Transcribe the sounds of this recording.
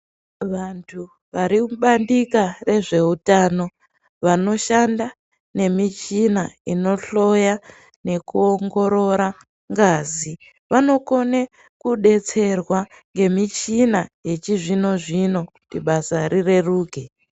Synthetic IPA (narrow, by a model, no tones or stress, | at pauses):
ʋantʰu | ʋaɾiɓandikare̞ʐe̞utaːno̞ | ʋano̞ʃanda | ne̞mit͡ʃinaino̞ɬo̞ja | ne̞kuo̞ŋɡo̞ɾo̞ɾa | ŋɡaːzi | ʋano̞ko̞ne | kuɗe̞t͡se̞rwa | ŋɡe̞mit͡ʃinaje̞t͡ʃiʐino̞ʐino̞kutiɓasarire̞ruːke